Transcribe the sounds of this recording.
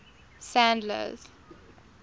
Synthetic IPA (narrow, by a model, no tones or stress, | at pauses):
sãndlə̰z̥